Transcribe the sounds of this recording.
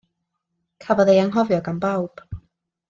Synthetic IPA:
kʰabɔðejaŋɦɔvjɔɡanbawb̥

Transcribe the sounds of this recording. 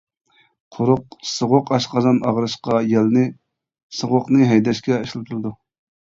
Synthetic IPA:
qʰoɾʊqsɨʁʊqɑʃqɑzɑnɑʁɾɨʃqɑjɛlnɨ | sɨʁʊqnɨɦɛjd̪ɛʃkʲɛeʃlˠɨp̚t̪ʰuɾlˠɨd̪u

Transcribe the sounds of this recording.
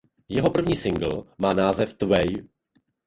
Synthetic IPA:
jɛɦo̞pr̩vɲiːsɪŋɡl̩maːnaːzɛft̪vɛj

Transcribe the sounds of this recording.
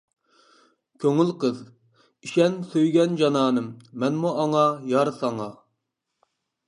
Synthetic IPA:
kʲʰøŋylqəz | iʃɛnsøjɡʲɛnd͡ʒɑnɑːnɨmːɛnmuʔɑŋɑjɑɾsɑŋɑ

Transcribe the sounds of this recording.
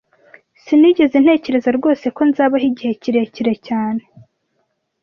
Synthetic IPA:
siniɟe̞zen̥he̞ːce̞ɾe̞zaɾɡo̞ːse̞ko̞nzaːβaɦiɟihe̞ciɾe̞ciɾecaːne̞

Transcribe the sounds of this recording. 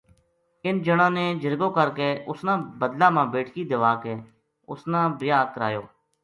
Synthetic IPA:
ɪnd͡ʒəɽãːneːd͡ʒəɾɡõːkəɾkeːʊsnãːbəd̪laːmãːbeːʈʰkiːd̪ʋaːkeː | ʊ̰snãːbɾɪjaːkəɾa̰ːjoː

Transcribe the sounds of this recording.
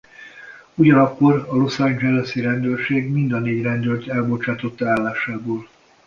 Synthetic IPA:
uɟɒnɒkːo̞rɒlo̞sand͡ʒɛlɛsiɾɛnd̪øːrʃeːɡmind̪ɒneːɟrɛnd̪ølt̪ɛlbo̞t͡ʃaːt̪o̞t̪ːaːlːaːʃaːboːl

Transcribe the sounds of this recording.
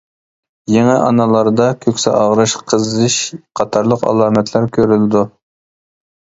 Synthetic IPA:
jeŋɛʔɑnɑlˠɑɾd̪ɑkʲʰøkʲsɛʔɑʁɾɨʃqʰəzɨʃqʰɑt̪ʰɑɾlˠəqɑ̰lˠɑːmɛt̪ʰlæɾkʲʰøɾylɪd̪u

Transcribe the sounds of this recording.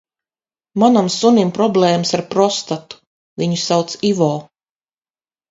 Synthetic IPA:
manamsunʲimpɾɔblɛːməsaɾpɾɔst̪at̪u̥ | viɲusawt̪sivɔː

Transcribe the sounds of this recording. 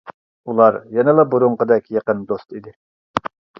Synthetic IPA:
ulˠɑɾjɛnɪlˠɑbuɾuɴqəd̪ɛkʲjeqənd̪ost̪id̪ɪ

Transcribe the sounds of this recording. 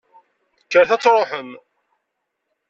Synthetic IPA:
kːəɾθæt͡sːɾˤoħəm

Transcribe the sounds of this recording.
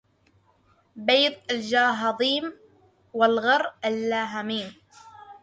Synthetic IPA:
bejd̪ˤald͡ʒaːɦɑðˤiːm | walɣɑɾˤʔalːaːɦamiːm

